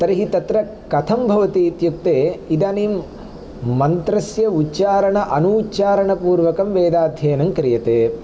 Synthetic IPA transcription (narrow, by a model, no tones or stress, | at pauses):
t̪ɐɾiɦit̪ɐt̪ɾɐ | kɐt̪ʰɐmbʱɐʋɐt̪iːt̪juk̚t̪eːid̪aːniːm | mɐnt̪ɾɐsjɐutːt͡ʃaːɾɐɳɐʔɐnuːt͡ʃaːɾɐɳɐpuːɾʋɐkɐmʋeːd̪aːd̪ʱjɐːnɐmkɾijɐt̪eː